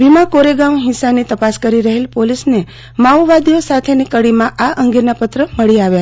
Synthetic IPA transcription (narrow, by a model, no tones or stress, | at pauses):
ʋimãkoɾeɡamɦɪsanit̪əpaskəɾiɾəɦelpolisne | maʋʋad̪ijosat̪ʰenikəɽimãʔaʔəŋɡenapət̪ɾəməɭiaʋja